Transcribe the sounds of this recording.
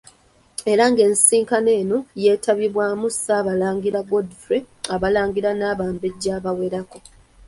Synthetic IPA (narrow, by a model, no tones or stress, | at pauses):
e̞ɾaŋɡe̞ːnsiːŋkane̞ːno̞je̞ːtʰaβiβwaːmusaːβalaːŋɡiɾaɡodifɾe | aβalaːŋɡiɾanaːβaːmbe̞ɟːaːβawe̞ɾako̞